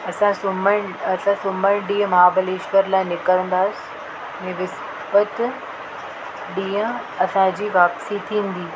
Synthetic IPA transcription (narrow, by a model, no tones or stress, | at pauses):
ɐsãsʊməɽ̃ɐsãsʊməɽ̃ɗiːə̃mɐɦaːbəleːʃʋəɾlaːɪ̃nɪkəɾə̃nd̪aːsɪ̥ | ɛ̃ːʋɪs | bət̪ | ɗĩːə̃ | ɐsãd͡ʑiːʋaːpsit̪ʰĩːn̆d̪iː